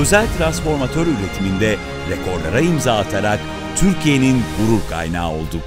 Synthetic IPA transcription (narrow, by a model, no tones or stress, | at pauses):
ø̞zælʲt̪ʰɾansfo̞ɾmat̪ʰø̞ɾyɾet̪ʰimind̪ɛ | ɾekʰo̞ɾlˠa̰ɾaimzaːlˠat̪ʰaɾak̚ | t̪ʰyɾcʰije̞ninɡuɾuɾkʰa̰jna̰ːo̞lˠd̪u